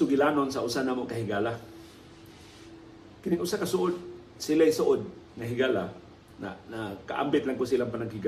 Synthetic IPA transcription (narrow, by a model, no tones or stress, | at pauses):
ʊɡɪlaːnonsaʔʊsanaːmoʔkaɦɪɡaːla | kɪnɪŋʔʊsakasʊʔod̪̚ | silajsʊʔod̪̚ | ŋaɦɪɡala̰ | na̰naka̰ʔa̰mbɪt̪laŋkʊsilaŋpanaɡhɪɡa